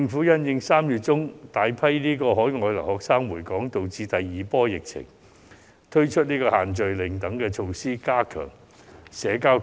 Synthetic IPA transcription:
ɪ˧ŋfu˨˥jɐ˥njɪ˧ŋsaː˥mjyː˨t̚t͡sʊ˥ŋt̪aː˨˧jpʰɐ˥jliː˥kɔː˧hɔː˨˥jŋɔː˨˧jlɐ̰˨˩hɔː˨k̚saː˥ŋwuː˨˩jkɔː˨˥ŋt̪o˨˧wt͡siː˧t̪ɐ˨jːiː˨pɔː˥jɪ˨k̚t͡sʰɪ̰˨˩ŋ | t̪ʰɵ˥ɥt͡ʃʰɵ˥t̚niː˥kɔː˧haː˨˩nt͡ʃɵ˨ɥlɪ˨˩ŋt̪ɐ˨˥ŋkɛː˧t͡ʃʰo˧wsiː˥kaː˥kʰœ̰ː˨˩ŋ | sɛː˨˥kaː˥

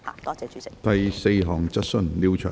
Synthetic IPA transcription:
t̪ɐ˨jse˧jɦɔː˨˩ŋt͡sɐ˥t̚sɵ˧˥nliː˧wt͡ʃʰœ̰ː˨˩

